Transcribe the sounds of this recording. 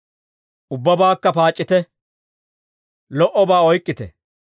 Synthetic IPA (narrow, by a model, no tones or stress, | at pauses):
ʊbːɐbaːkːɐpaːt͡ʃʼːɪt̪ɛ | lɔʔɔbaːɔjkʼːɪt̪ɛ̰